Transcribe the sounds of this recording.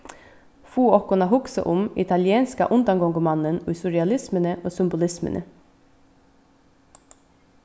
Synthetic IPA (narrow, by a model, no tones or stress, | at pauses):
fuːɔkʊnɑhʊksə̰ʔʊmɪ̰t̪ʰɑljeːnskə̰ʔʉnd̪ɑŋɡɔŋɡʊmɑnənʉsʊɾɪɑlɪsmənəʔoːsʏmbʊlɪsmə̰nʔə̰